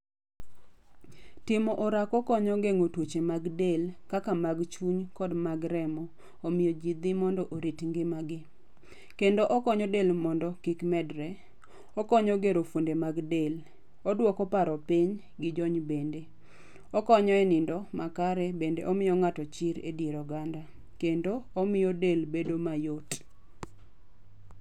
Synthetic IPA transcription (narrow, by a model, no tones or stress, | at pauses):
tɪmɔʔɔɾakɔkɔɲɔɡeŋotwot͡ʃemaɡdelkakamaɡt͡ʃuɲkɔdmaɡɾɛmɔ | omɪjɔd͡ʒid̪ɪmɔndɔʔoɾitŋɡɪmaɡɪ | kendoʔɔkɔɲɔdelmɔndɔkɪkmɛdɾɛ | ɔkɔɲɔɡeɾofondemaɡdel | ɔdwɔkɔpaɾɔpɪɲ | ɡɪd͡ʒɔɲbende | ɔkɔɲɔɛnɪndɔmakaɾɛbendḛʔɔmɪjɔŋatɔt͡ʃɪɾḛdjeɾɔɡanda | kendoːmɪjɔdelbedomajot